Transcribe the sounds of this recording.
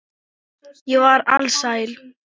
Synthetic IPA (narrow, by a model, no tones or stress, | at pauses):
jɛvaɾa̰lsaːjl